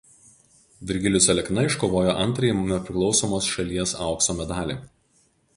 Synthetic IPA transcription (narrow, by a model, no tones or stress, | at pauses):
ʋʲɪɾʲɡʲɪlʲʊsʲɛlʲɛknɐɪʃkoːʋoːjoːʔɐnt̪ɾɐjimmʲɛpʲɾʲɪklˠɒʊsoːmoːsʃɐlʲiɛsɑˑʊksoːmʲɛd̪ɑːlʲeː